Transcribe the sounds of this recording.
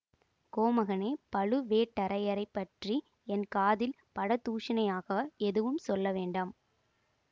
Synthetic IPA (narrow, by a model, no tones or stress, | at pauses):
koːmɐɣɐneːpɐɭɯʋeːʈːɐɾɐjɐɾɐɪpːɐʈri | ɛnkaːðɪl | pɐɽɐt̪ːuːʂɪnɐjaːɣɐɛðɯʋɯmsɔlːɐʋeːɳɖɐm